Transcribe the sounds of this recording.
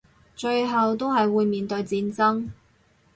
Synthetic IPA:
t͡ʃɵ˧ɥɦɐ˨wt̪o˥wɦɐ˨jwuː˨˧jmiː˨nt̪ɵ˧ɥt͡siː˧nt͡sɐ˥ŋ

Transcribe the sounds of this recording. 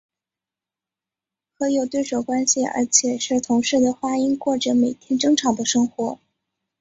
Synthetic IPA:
xɤ˧˥jo˨˩ʊt̪we˥˩ɪʂo˨˩ʊkwa˥nɕi˨ə̰˧˥t͡ɕʰjɛ˨˩ʂɻ̩˥˩t̪ʰʊ˧˥ŋʂɻ̩˥˩d̪ə˩xwa˥i˥nkwɔ˥˩ʈ͡ʂə˨˩me˨˩ɪt̪ʰjɛ˥nʈ͡ʂɤ˥ŋʈ͡ʂʰɑ˨˩ŋd̪ə˦ʂɤ˥ŋxwɔ˧˥

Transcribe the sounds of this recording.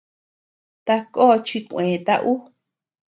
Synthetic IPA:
t̪a˧ko˦˧t͡ʃi˧kʷẽː˨t̪a˦ʔu˦

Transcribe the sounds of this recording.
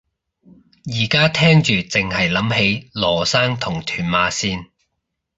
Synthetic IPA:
jiː˨˩kaː˥t̪ʰɛː˥ŋt͡ʃyː˨t͡sɪ˨ŋhɐ˨jlɐ˨˥mhe˨˥jlɔː˨˩saː˥ŋt̪ʰʊ˨˩ŋt̪ʰyː˨˩nmaː˨˧˥siː˥n

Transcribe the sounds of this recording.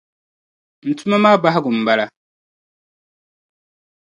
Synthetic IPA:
n̩˨tʰu˦ma˦maː˦ba˦ɦa˦ɡʊ˨m̩˨ba˦la˦

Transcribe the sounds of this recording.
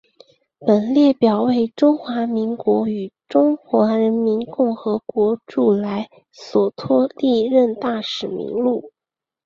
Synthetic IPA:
pə˨˩nljɛ˥˩pjɑ˨˩ʊwe˥˩ɪʈ͡ʂʊ˥ŋxwa˧˥mi˧˥ŋkwɔ˧˥y˨˩ʈ͡ʂʊ˥ŋxwa˧˥ɻə˧˥nmi˧˥nkʊ˥˩ŋxɤ˧˥kwɔ˧˥ʈ͡ʂu˥˩la˧˥ɪ | swɔ˨˩t̪ʰwɔ˥li˥˧ɻə˥˧nt̪a˥˩ʂɻ̩˨˩mḭ˧˥ŋlu˥˩

